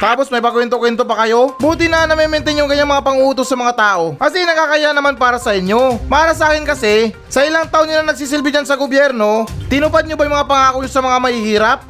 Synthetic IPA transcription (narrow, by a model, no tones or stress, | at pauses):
t̪aːpo̞smɐjpɐkwɛnt̪̬okwɛnt̪opɐkɐjo̞buːt̪ɪnɐɐnːɐmɛmɛnt̪ɛɲoŋkɐɲaŋmɐŋapɐŋʔuːt̪osːɐmɐŋat̪aːʔo̞kɐs̬ɛɪnɐkaːkɐjaʔnɐmanpaːɾɐsɐʔɪɲjo̞mɐʔaːɾɐsɐaːkɪnkɐsɛ | sɐʔɪlaŋt̪ɐʔonɪlɐnɐɡ̚siːs̬ɪlbɪd͡ʒansɐɡobjɛɾno̞t̪ɪnʊpad̪̚ɲobɐjʊŋmɐŋapɐŋaːkoɲosɐmɐŋamɐhiːhiːɾɐp̚